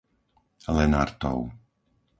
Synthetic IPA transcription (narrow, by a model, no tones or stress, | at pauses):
lɛnaɾt̪ɔ̰w